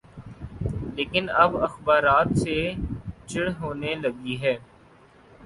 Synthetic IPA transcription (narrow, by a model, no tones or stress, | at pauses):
leːkɪnɐbɐxbaːɾaːt̪set͡ʃɪɽɦoːnelɐɡiɦɛː